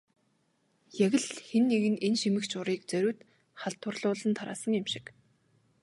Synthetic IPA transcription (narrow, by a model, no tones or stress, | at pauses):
jæɣʲɘ̆ɮxenːeɣɘ̆nenʃimɘ̆kt͡ɕʊɾiːk̚t͡sœɾʲʊːt̪ | χaɬt̪ʊ̆rɮʊːɮə̆nt̪ʰaɾa̰ːsə̆ŋɪmʃɪ̥k